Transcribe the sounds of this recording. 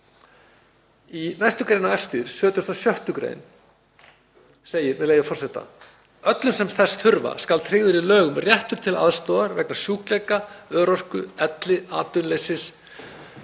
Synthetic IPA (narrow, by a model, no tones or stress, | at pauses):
inajst̪ʏkɾeːjnaɛft̪iɾ̥sœːt̪ʏ̥st̪asjœht̪ʏkɾḛjn | seːjɪɾmɛðleːjvafɔr̥sɛt̪a̰ | œt̪lʏmsɛmθɛsθʏɾva̰skalt̪ʰɾɪːɣðʏɾilœːɣʏmrjɛht̪ʏɾ̥t̪ʰɪla̰ðst̪ɔːɣaɾvɛknḁsjuːklejkaœːɾɔr̥kʏɛt̪lɪaːt̪ʏnlejsɪs